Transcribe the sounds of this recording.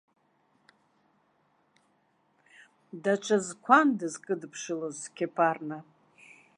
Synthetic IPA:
dat͡ʃʷʰazkʷʰandɨzkʼɨdpʰʂɨlozkʲʰepʰarna

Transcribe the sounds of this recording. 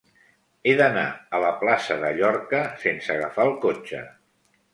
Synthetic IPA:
eðəna̰ələplasəðəʎɔrkəsensəɣəfaəlˠkot͡ʃə̰

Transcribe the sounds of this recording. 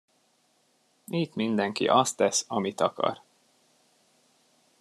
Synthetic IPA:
it̪mind̪ɛŋkḭʔɒst̪ɛsɒmit̪ɒkɒ̰r

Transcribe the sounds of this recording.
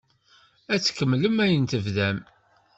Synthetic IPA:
æt͡sːkːəmːləmæjənt̪əvðæm

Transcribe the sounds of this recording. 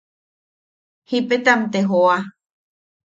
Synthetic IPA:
hipet̪amt̪eɦoa

